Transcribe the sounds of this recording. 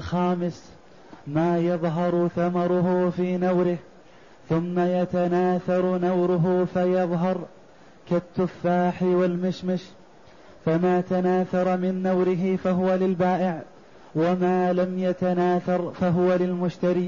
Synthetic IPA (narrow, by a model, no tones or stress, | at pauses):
ʔlxaːmɪs | maːjɑðˤɦɑɾˤθamɑɾˤʊɦʊfiːnawɾɪh | θʊmːajat̪anaːθɑɾˤnawɾʊɦʊfajɑðˤɦɑɾˤ | kat̪ːʊfːaːħɪwalmɪʃmaʃ | famaːt̪anaːθɑɾˤmɪnːawɾɪɦɪfaɦʊwalɪlbaːʔɪʕ | wamaːlamjat̪anaːθɑɾˤfaɦʊwalɪlmʊʃt̪aɾiː